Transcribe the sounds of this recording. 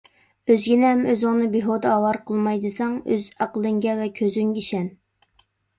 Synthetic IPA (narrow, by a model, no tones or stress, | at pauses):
øzɡʲinɪɦɛmøzʊŋnɨbeɦod̪ɑɑwɑɾqʰəlˠmɑjd̪ɨsɑŋøzɑqəlˠɨŋɡʲɛvɛkʲʰøzyŋɡʲɛiʃɛn